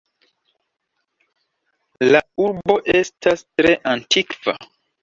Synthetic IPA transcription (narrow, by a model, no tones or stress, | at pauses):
lauɾbo̞ʔe̞stʰastɾe̞ʔantʰikv̥a̰